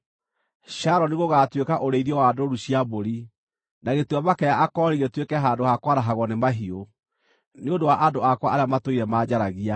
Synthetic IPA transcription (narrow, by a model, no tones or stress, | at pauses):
ɕaɾɔniɣoɣaːtwekaʔoɾeiðiɔwaːdoɾuɕiaβoɾi | naɣetuaβakɛaʔakɔɾiɣetwekɛɦaːndohakwaɾaɦaɣwɔnemaɦio | neondowaʔadoakwaaɾeamatoiɾɛmaːd͡ʑaɾaɣia